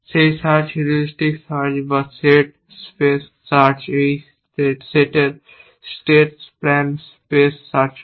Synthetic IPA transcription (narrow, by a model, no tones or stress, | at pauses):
seːsaːt͡ʃːɾəlɪsʈɪksaːɾd͡ʒbaseːʈ | speːs | sat͡ʃes | ʈeːʈseːʈəɾ | sʈeːʈspɾɛ̃ːmspeːsːaɾt͡ʃ